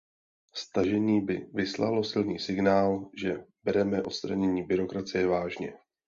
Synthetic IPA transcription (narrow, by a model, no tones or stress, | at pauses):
st̪aʒɛɲiːbɪvɪsla̰lo̞sɪlniːsɪɡnaːlʒɛbɛɾɛmɛʔo̞t̪st̪ɾaɲɛɲiːbɪɾo̞kɾat͡sɪjɛvaːʒɲɛ̰